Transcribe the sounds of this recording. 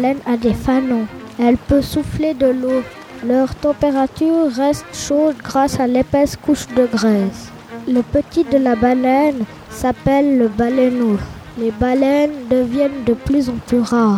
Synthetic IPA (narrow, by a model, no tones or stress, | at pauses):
lɛnad̪efanɔ̃ | ɛlpøsufled̪əlo | lœʁt̪ɑ̃peʁat̪yːʁːɛst̪ʃod̪ɡʁasalepɛskuʃd̪əɡʁɛz | ləpət̪id̪əlabalɛn | sapɛlːəbalɛno | lebalɛnd̪əvjɛnd̪əplyzɑ̃plyʁaːʁ